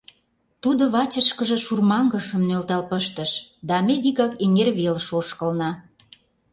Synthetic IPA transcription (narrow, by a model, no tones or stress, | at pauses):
t̪ud̪oβɑt͡ɕəʃkə̆ʒĕʃurmɑŋɡə̆ʃə̆mnølt̪ɑlpəʃt̪ə̆ʃd̪ɑmebiɣɑkeŋerβelʃoʃkə̆lnɑ